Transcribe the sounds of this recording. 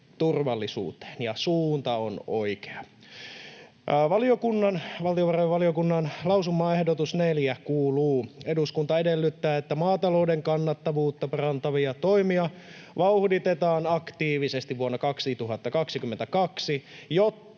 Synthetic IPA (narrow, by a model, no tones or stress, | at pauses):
t̪urʋɑlːisṵːt̪e̥ːnjɑsuːnt̪ɑonoike̥ɑ | ʋɑliokunːɑnʋɑlt̪ioʋɑrojʋɑliokunːɑnlɑusumːɑːe̞hdot̪usneljækuːluːeduskunt̪ɑedelːyt̪ːæːet̪ːæmɑːt̪ɑloudeŋkɑnːɑt̪ːɑʋuːt̪ːɑpɑrɑnt̪ɑʋiɑt̪oimiɑ | ʋɑuhdit̪et̪ɑːnɑkt̪iːʋisest̪iʋʋuonːɑkɑksit̪uɦɑt̪ːɑkɑksikymːent̪ækɑksijot̪ː